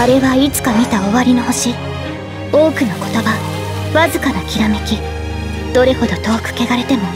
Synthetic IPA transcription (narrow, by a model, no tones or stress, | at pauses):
aɾe̞βait͡sɨ̥kamʲit̪aoβaɾʲino̞ho̞ɕi | o̞ːkɯ̟no̞ko̞̥t̪o̞ba | βazɨkanakʲiɾame̞kʲi | d̪̥o̞ɾe̞ho̞d̪o̞t̪o̞ːkɯ̟̥ke̞ɡaɾe̞t̪e̞mo̞